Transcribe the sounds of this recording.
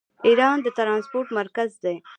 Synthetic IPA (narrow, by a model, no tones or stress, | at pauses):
iɾɑnd̪ət̪ɾɑnspoɾʈmaɾkazd̪e